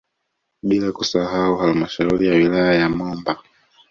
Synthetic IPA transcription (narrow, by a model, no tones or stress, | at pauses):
ɓilakusaɦauhalmaʃauɾijawilajajamɔmba